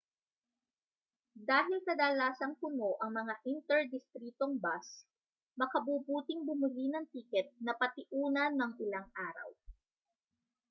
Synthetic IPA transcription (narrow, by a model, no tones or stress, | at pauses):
d̪aːɦɪlsɐd̪aːlaːsɐŋkʊmo̞ʔɐŋmɐŋaʔɪnt̪ɛɹd̪ɪst̪ɾiːt̪oŋbas | mɐkɐbuːbuːt̪ɪŋbʊmʊlinɐŋt̪iːkɛt̪̚nɐpɐt̪ɪʔuːnɐnːɐŋʔɪlaŋʔaːɾɐ̰w